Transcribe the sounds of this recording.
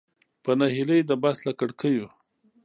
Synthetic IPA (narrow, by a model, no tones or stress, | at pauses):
pənahiləjd̪əbaslakəɽkʰəju